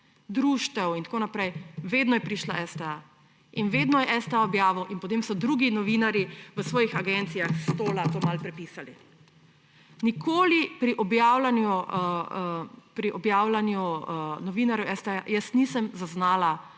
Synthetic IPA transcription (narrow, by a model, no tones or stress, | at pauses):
d̪ɾuːʃt̪ɛwint̪akoːnapɾɛjʋeːd̪nɔjɛpɾiʃlaʔɛst̪ɛa | inʋed̪nɔjɛɛst̪ɛaɔbjaːʋɐwʔinpɔt̪emsɔd̪ɾuɡinɔʋinaɾiʋəsʋɔːjixaɡɛnt̪sijaxst̪oːlat̪oːmalpɾɛpisali | nikʰoːlipɾiʔɔbjaːwlanju | pɾiʔɔbjaːwlanjunɔʋinaɾjuʔɛst̪ɛajəsnisəmzaznaːla